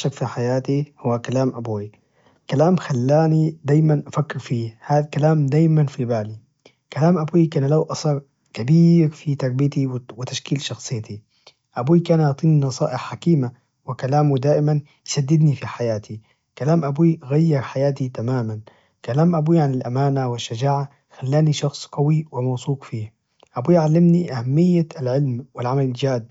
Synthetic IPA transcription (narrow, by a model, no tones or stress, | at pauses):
ʃakfiħajaːt̪ihʊwːakalaːmʔabuːi | kalaːmxalːaːnid̪aːjmanʔafakːɪɾfiːhaːðakalaːmd̪aːjmanfibaːli | kalaːmʔabuːikaːnlawʔɑsˤɑːɾˤ | kabiːɾfit̪ɑɾˤbijt̪iwwɪt̪aʃkiːlʃɑxsˤɨjːt̪i | ʔabuːikaːnjɑt̪ˤiːnnɑsˤɑ̰ːʔɪħːakiːma | wɪkalaːmud̪aːʔɪman | jsad̪ːɪd̪nifiħajaːt̪ʰi | kalaːmʔabuiɣajːɪɾˤħajaːt̪it̪amaːman | kalaːmʔabuiʕanɪlʔamaːnawɪʃːad͡ʒaːʕa | xalːaːniʃɑxsˤqɑwiwɪmawsˤuːqfiːh | ʔabuːjʕalːɪmniʔahamːɪjːaalʕɪlmwɪlʕamalɪld͡ʒaːd̪̚